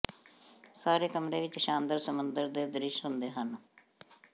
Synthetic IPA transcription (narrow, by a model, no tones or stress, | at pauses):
saːɾeːkəmɾeːʋɪt͡ʃʃãːnd̪əɾsəmənd̪əɾd̪eːd̪ɪɾɪʃɦʊnd̪eːɦən